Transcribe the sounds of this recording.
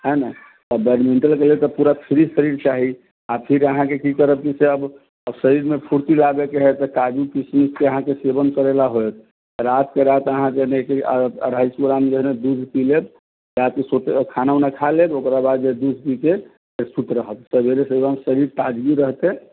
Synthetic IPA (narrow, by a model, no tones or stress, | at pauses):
ɦəna | ɔbeɾmeɳʈəlkelet̪ɔpuɾapʰiɾisəɾiɾt͡ʃaɦi | apʰiɾəɦãkekik̪əɾəb̚kiseəb | əbsəɾiɾmepʰuɾt̪ilabekeɦɛt̪kad͡ʒukismikkeəɦãkesebənkəɾelaɦojt̪̚ʰ | ɾat̪keɾat̪əɦãd͡ʒeɦnekeɾəjsuɾamd͡ʒeɦned̪ud͡ʒʱpileb | ɾat̪kesot̪kʰanaunakʰalebokɾabad̪d͡ʒed̪ud͡ʒʱpike | eɾsut̪ɾəɦət̪səbeɾesebmsəɾiɾʈ̪ad͡ʒɡiɾəɦt̪ẽ